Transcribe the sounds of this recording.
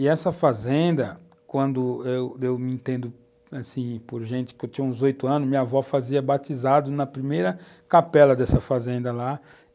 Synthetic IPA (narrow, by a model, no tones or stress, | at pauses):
ɪɛsɐfazẽnd̪ɐ | kwɐ̃nd̪ʊewewmɪĩnt̪ẽnd̪ʊ | asĩpoɾʒẽnt͡ʃ̪ɪ̥kɪewt̪ĩɲɐ̃ũzojt̪ʊɐ̃nʊmĩɲɐvɔfaziɐbat̪izad̪ʊnɐpɾimejɾɐ | kapɛlɐd̪ɛsɐfazẽnd̪ɐla